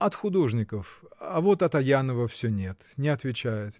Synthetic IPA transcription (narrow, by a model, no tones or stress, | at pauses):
ɐt̪xʊd̪o̞ʐnʲɪkəfɐvot̪ɐt̪ɐjanəvəfsʲɵnʲe̞t̪nʲɪɐt̪vʲɪt͡ɕæjɪt̪